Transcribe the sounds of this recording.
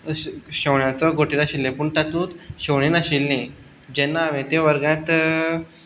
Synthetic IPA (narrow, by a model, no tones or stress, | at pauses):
ɕəʋɳjat͡səɡoʈiɾaɕilːẽpuːɳʈ̪at̪ũːt̪ɕoʋɳ̃inaɕilnẽ | d͡ʑɛnːaːʋẽt̪eʋəɾɡjãt̪